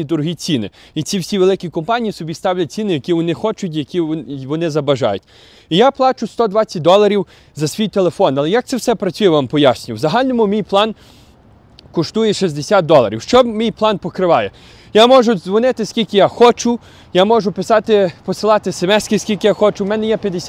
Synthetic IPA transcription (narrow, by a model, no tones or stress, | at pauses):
id̪ɔɾʊɦit͡sʲinɪ̰it͡sʲiwsʲiʋelˠɪkʲikɔmpɑnʲijisɔbʲist̪ɑwlʲɐt̚ʲt͡sʲinɪjɐkʲiʋɔnɪxɔt͡ʃʊtʲjɐkʲiʋɔnɪzɐbɐʒɑ̰jʊtʲ | ijaplˠɑt͡ʃʊst̪ɔd̪ʋɑt͡sʲɐt̚ʲd̪ɔlˠɐɾʲiw | zɐsʋʲijt̪elˠefɔnɐlˠɛjak̪̚sɛwsɛpɾɐt͡sʲujɛʋampɔjasʲnʲiwzɐɦɑlʲnɔmʊmʲijplˠɑn | kɔʃt̪ujɛʃizʲd̪esʲat̪̚d̪ɔlˠɐ̰ɾʲiwʃt͡ʃɔmʲijplˠɑnpɔkɾɪʋɑjɛ | jamɔʒʊzʋɔnɪt̪ɪskʲilʲkʲɪjaxɔt͡ʃʊ | jamɔʒʊpɪsɑt̪ɪpɔsɪlˠɑt̪ɪsemɛsʲkɪskʲilʲkɪjaxɔt͡ʃʊmɛnɛjɛpʲjɐd̪esʲ